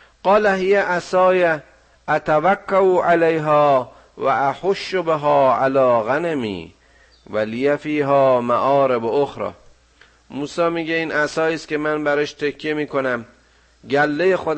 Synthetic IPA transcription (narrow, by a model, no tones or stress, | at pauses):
ɢ̥ɒːlæɦijæʔæsɒːjæ | ʔæt̪ʰævækʰːauːʔalejɦɒː | væʔæħoʃːobeɦɒːʔalɒːɣænemḭː | vælijæfiːɦɒːmæʔɒːɾeboxɾɒ̰ː | muːsɒːmiːɟeiːnʔæsɒːiːst̪kʲʰe̞mænbæɾeʃt̪ʰekʰːjemiːkʰonæm | ɟælːejexod̪